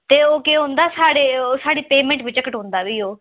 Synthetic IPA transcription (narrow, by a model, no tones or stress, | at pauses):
t̪eːoːkeːɦõnd̪aːsaːɽeːoːsaːɽiːpeːmɛ̃ːɳʈbɪt͡ʃəkəʈɦõnd̪aːʋiːoː